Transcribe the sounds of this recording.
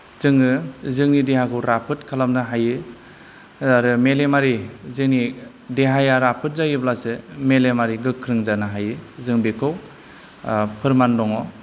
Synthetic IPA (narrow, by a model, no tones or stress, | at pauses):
zɯŋɯzɯŋnideɦakʰɯwɾapʰɯtkʰalamnɯɦajɯ | aɾɯmelemaɾizɯŋni | deɦajaɾapʰɯt̚zajɯblasɯmelemaɾiɡɯkʰːɾɯŋzanɯɦajɯzɯŋbekʰɯw | pʰɯɾmandɔŋɔ